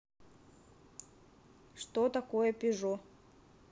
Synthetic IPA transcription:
ʂt̪ot̪akojəpʲɪʐo

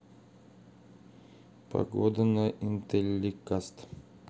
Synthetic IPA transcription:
pɐ̰ɡod̪ənəʔint̪elʲːikast̪

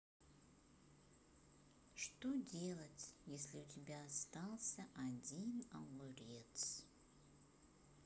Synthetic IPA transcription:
ʂt̪odʲe̞lˠətʲjesʲlʲɪʊtʲɪbʲaːst̪alˠsʲəʔadʲinawʊɾʲet̪s

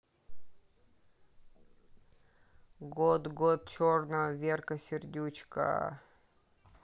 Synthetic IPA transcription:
ɡod̪ɡot̪̚t͡ɕornəəvʲerkəsʲɪrd̪ʲut͡ɕkə̰

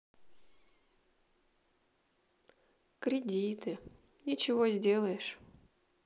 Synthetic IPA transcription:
kɾʲɪdʲit̪ɨ | nʲɪt͡ɕɪvozʲdʲe̞lˠəjɪʂ

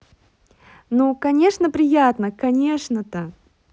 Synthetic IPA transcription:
nukɐnʲe̞ʂnəpɾʲɪjat̪nəkɐnʲe̞ʂnət̪ə

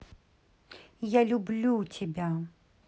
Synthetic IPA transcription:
jalʲublʲutʲɪbʲa

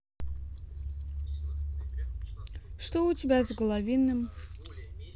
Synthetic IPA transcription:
ʂt̪oʊtʲɪbʲazɡəlˠɐvʲinːɨm

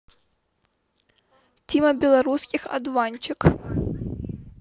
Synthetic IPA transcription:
tʲimɐbʲɛlˠɐɾuskʲixɐ̰d̪vanʲt͡ʃɪk

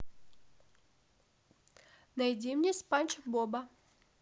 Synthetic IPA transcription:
nɐjdʲimnʲespanʲt͡ɕɪkbobɐ

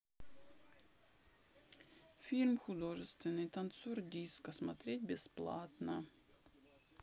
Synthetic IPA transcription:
fʲilʲmxʊd̪o̞ʐɨst̪vʲɪnːɨjt̪ɐnt̪sordʲiskəsmɐt̪ɾʲetʲbʲɪsplˠa̰t̪nə

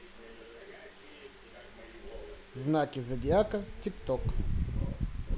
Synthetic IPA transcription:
znakʲɪzɐdʲɪakətʲɪpt̪ok

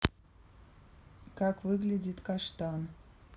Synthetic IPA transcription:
kɑkvɨɣlʲedʲit̪kɑʃt̪ɑn

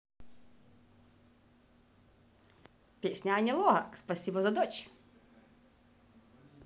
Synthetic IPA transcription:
pʲesʲnʲɐːnʲɛlˠɔɦɐ̰kspɐsʲibɐzɐd̪ɔt͡ɕ

